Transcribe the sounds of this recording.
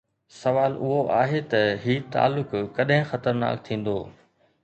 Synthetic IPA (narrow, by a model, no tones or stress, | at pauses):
sɐʋaːlʔʊɦoʔaːɦet̪ɐɦiːt̪a̰ːlːʊkːɐɗɦɪ̃xɐt̪əɾna̰ːk̚t̪ʰĩːn̆d̪oː